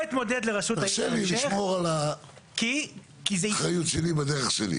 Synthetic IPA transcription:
it̪mo̞d̪ed̪leʁaʃutaʃeliliʃmo̞ʁala | ki | kizeχajut̪ʃelibad̪eʁeχʃelḭ

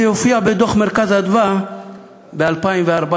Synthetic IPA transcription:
jofiabɛd̪oχmeɾkazad̪va | bealpajmveaɾba

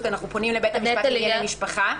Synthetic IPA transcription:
t̪anaχnuponimlebet̪almiʃpaχa

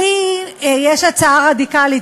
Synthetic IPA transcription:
ijeʃat͡saaʁadikali

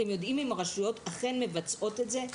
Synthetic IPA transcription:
emjo̞dʔimimaʁaʃujo̞taχe̞nme̞vat͡sʔo̞te̞tze̞

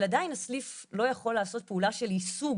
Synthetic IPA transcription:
ladainasliflo̞jaχo̞lːaːso̞t̪̚peulaʃe̞lisuɡ

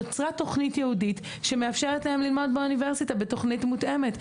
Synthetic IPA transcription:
t͡sʁato̞χnitjehudit | ʃe̞meafʃeʁetlehemlilmo̞dbeunive̞ʁsitabeto̞χnitmutʔe̞me̞t

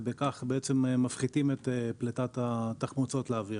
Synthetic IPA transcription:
bekaχbeet͡se̞mmafχitimet̪epletat̪at̪aχmut͡so̞tleavi

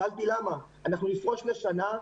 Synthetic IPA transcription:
alt̪ilama | anaχnunifʁo̞ʃmeʃana

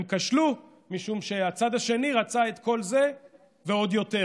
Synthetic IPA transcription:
mkaʃlu | miʃumʃe̞at͡sad̪aʃe̞niʁat͡sae̞t̪ko̞lze̞ | veo̞d̪jo̞t̪e

